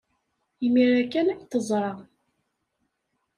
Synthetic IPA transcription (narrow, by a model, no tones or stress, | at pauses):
imiɾækːænækt̪əzˤɾˤɑ